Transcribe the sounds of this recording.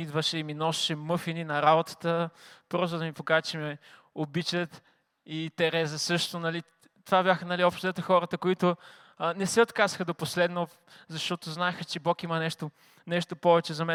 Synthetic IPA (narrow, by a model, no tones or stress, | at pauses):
id̪vəʃɛiminɔʃʃɛmɤfininɐɾabot̪ə̥t̪əpɾɔst̪ʊd̪ɐmipokaʒt͡ʃɛmɛ | obit͡ʃət̪ | it̪ɛɾɛzɐsɤʃt̪onɐli | t̪ovabʲjaxənɐliɔpʃt̪ozɛt̪xɔɾət̪əkoit̪ʊ | nɛsɛot̪kazə̥xəd̪oposlɛd̪no | zɐʃt̪ɔt̪oznaɛxət͡ʃɛbɔkimɐnɛʃt̪o | nɛʃt̪opɔvɛt͡ʃɛzɐmɛ